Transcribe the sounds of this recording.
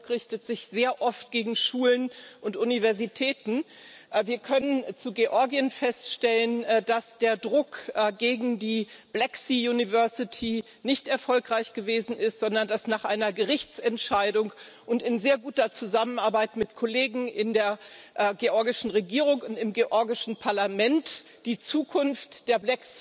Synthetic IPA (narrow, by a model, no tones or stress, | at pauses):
kʁɪçtətz̥ɪçz̥eːɐʔɔft̚ɡ̥eːɡŋ̩ʃuːlənʔʊntʔunivɛɐzitʰɛːtn̩ | viːɐkʰœnənt͡suɡeʔɔɐɡiənfɛstʃtɛlənd̥asd̥eːɐdʁʊkɡeːɡŋ̩diːb̥lɛksijunivɛɐsɪtʰi | nɪçtɛɐfɔlkʁ̥aɪçɡ̥əveːzn̩ɪstz̥ɔndɐndasnaːχʔaɪnɐɡəʁɪçt͡sɛntʃaɪdʊŋʔʊntɪnzeːɐɡuːtɐt͡suzamənaɐbaɪtmɪtkʰoleːɡŋ̩ʔɪndeːɐʔɡeʔɔɐɡɪʃn̩ʁeɡiːʁ̞ʊŋkʊntɪmɡeʔɔɐɡɪʃn̩pʰaɐlamɛnt | d̥iːt͡suːkʰʊnftd̥eːɐblɛks